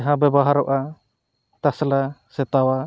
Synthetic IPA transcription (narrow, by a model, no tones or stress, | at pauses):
ɦãbɛbɔɦaɾɔʔa | t̪aslasɛt̪awa